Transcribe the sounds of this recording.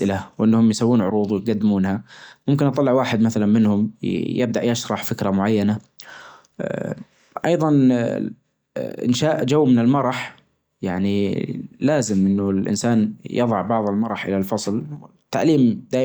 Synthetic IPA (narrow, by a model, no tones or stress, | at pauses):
ʔɪlawʔɪnːhʊmjsawːuːnʕʊɾuːðˤwɪjt̪̚ɡad̪ːɪmuːnhamʊmkɪnʔɑt̪ˤɑlːɪʕwaːħɪd̪maθalanmɪnhʊmjɪb̚d̪aʔjaʃɾˤɑħfɪkɾamʊʕajːana | ʔɑjðˤɑn | ʔɪ̰nʃaːʔd͡ʒawːmɪnɪlmɑɾˤɑħ | jaʕnilaːzɪmʔɪnːʊlʔɪ̰nsaːnjɨðˤɑʕbɑʕðˤɪlmɑɾˤɑħʔɪ̰lalfɑsˤlɪt̪ːaʕliːmd̪aːʔ